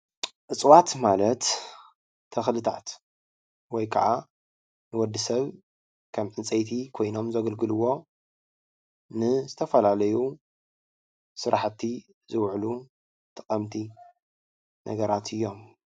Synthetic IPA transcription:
ʔɨt͡sʼwat̪malɐt̪ʰː | ɐxlɨt̪ʰa̰t̪ | wɔjkʰɐ̰ʕa | nɨwɔd̪ːɨsɐβ | kʰɐmʕɨnt͡sʼɐjt̪ʰikʰo̞jno̞mzɐɡɐlɡɨlɨwo̞ | nɨzɨt̪ʰɐfɐlalɐju | sɨɾʔaħt̪ʰːi | zɨwʕlu | t̪ʰɨqʼɐmt̪ʰi | nʔɐ̰ɡɐɾat̪ʰɨjːo̞m

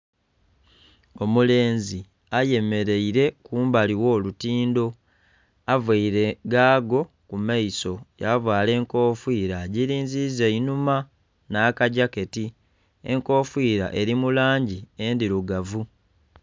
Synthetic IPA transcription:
o̞mule̞ːnzi | aje̞me̞ɾe̞iɾe̞kuːmbaliwo̞ːlutiːndo̞ | avwaiɾe̞ɡaːɡo̞ | kumaiso̞javwaːle̞ːŋko̞ːfwiːɾaɟiɾiːnzizeinuma | naːkaɟake̞ti | e̞̰ŋko̞ːfwiːɾa̰ʔe̞ɾimulaːɲɟiendiɾuɡavu

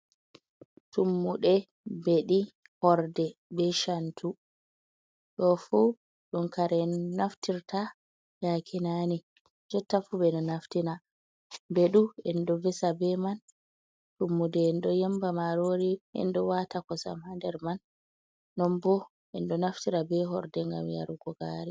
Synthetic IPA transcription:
tumːuɗɛ | beɗi | hɔɾdɛbɛʃantʰu | ɗɔfu | ɗunkaɾɛnaftiɾtʰa | jakʰinani | d͡ʒɔtːafubɛnɔnaftina | mbɛɗuɛndɔvɛsabɛman | tumːudɛnɗɔjɛmbamaɾoɾiɛ̰ndɔwatakɔsa̰mhandɛɾmanː | ɔmbɔ | ɛnɗɔnaftiɾabɛɦɔɾdɛŋɡa̰mja̰ɾuɡɔɡaɾi

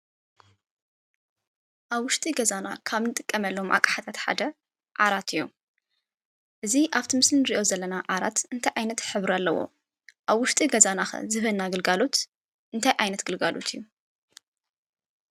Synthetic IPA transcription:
ʔaβwʊʃt̪ʼiɡɐzana̰kʰaβnɨt̪ʼɨkʼːɐmɐlːomʔa̰kʼḁħat̪ʰat̪ħa̰d̪ɐ | ʕa̰ɾat̪ɨjːu | ʔɨziʔaβt̪ʰimɨslinɨɾiʔo̞zɐlːɐnaʕaɾa̰t̪ɨnt̪ʰajʕajnɐt̪ħɨβɾalːɐwo̰ | ʔaβwʊʃt̪ʼiɡɐzanaxɐ̰zɨβɨlnaɡɐlɡalo̞t̪ | ʔɨnt̪ʰajʕajnɐt̪ɡ̥ɨlɡalo̞̰t̪ʰijːu

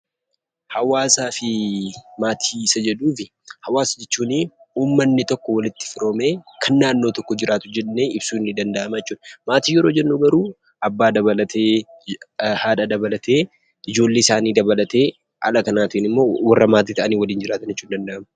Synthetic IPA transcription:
hɐwaːsaːfɪmaːt̪ʰiːsɐd͡ʒɛᶑuːfɪ | hɐwaːsɐd͡ʒɛt͡ʃːuːniːuːmːɐnːɪt̪ɔkːɔwɐlɪt̪ːɪ̥fɪɾo̞ːme̞ːkʰɐnːaːnːo̞ːt̪ɔkːɔd͡ʒɪɾaːt̪ʊd͡ʒɛnːeɪbsuːnːɪd̪ɐnd̪ɐʔɐmajɛt͡ʃːuːᶑɐ̥maːt̪iːjɛɾo̞ːd͡ʒɛnːuːɡɐɾuː | ɐbːaːd̪ɐβɐlɐt̪ʰeː | haːᶑɐd̪ɐbɐlɐt̪ʰe̞ː | ɪd͡ʒo̞ːlːeːɪsaːniːd̪ɐbɐlɐt̪e̞ː | hɐ̰lɐkɐnaːt̪inɪmːo̞ːwɐrːɐmaːt̪iːt̪ɐʔɐniːwɐliːnd͡ʒɪɾaːt̪ɐnd͡ʒɛt͡ʃːuːnd̪ɐnd̪ɐʔɐmɐ

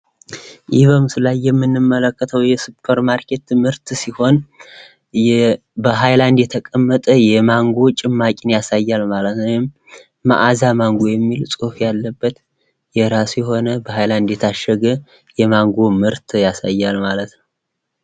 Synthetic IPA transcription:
ʔiβəmsɨlajːɛmːɨnːɨmːələkːət̪ʰəwjɛsɨpʰəɾmaɾkʰe̞t̪mɨɾt̪siho̞n | bəɦajland̪jɛt̪ʰəkʼəmːət̪ʼəjɛmaŋɡo̞t͡ʃʼɪmːakʼɪnjasajːalmalət̪nəwɪmː | a̰ʔazamaŋɡojɛmːilsʼofjalːəbːət̪ | jɛɾasjɛɦo̞nəbəhajland̪jɛt̪ʰaʃːəɡə | jɛmaŋɡomɨɾt̪ʰjasa̰jːalmalət̪nəw

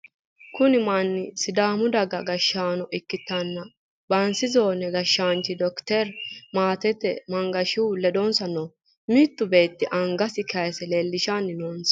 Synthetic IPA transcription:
kʊnɪmanːɪsɪd̪aːmʊd̪ɐɡɐɡɐʃːaːnɔʔɪkːɪt̪ːɐnːɐ | bɐnsɪzo̞ːnɛɡɐʃːaːnt͡ʃɪd̪ɔkt̪ɛɾmaːt̪ɛt̪ːɛ̰mɐŋɡɐʃɪwlɛd̪onsɐnoː | mɪt̪ːʊbe̞ːt̪ːɪʔɐŋɡɐsɪkʰɐjsɛleːlːɪʃanːɪnoːnsɐ̥

